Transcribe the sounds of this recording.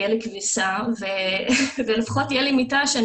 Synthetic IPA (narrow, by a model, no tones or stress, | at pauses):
jɛlikvisavevelefḁχotijɛlimitaʃean